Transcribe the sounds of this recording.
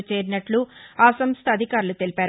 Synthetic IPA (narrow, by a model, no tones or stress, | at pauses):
t͡ʃeːɾinɐʈluaːsɐmst̪ʰɐd̪ʱikaːɾulut̪e̞lipaːɾ